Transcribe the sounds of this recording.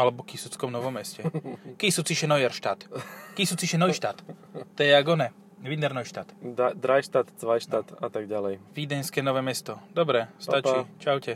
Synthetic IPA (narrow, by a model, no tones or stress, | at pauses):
alɛbɔkisut͡skɔmnɔʋɔmːɛscɛkisut͡siʃɛnɔjɛɾʃt̪aːt̪kisut͡siʃɛnɔjʃt̪at̪t̪ɛjɛaɡɔnɛ | ʋid̪nɛɾnɔjʃt̪a̰ːt̪ad̪ɾajʃt̪at̪t͡sʋajʃt̪aːt̪at̪aɡ̚ɟalɛjʋid̪ɛnskɛːnɔʋɛːmɛst̪ɔd̪ɔbɾɛst̪at͡ʃit͡ʃawcɛ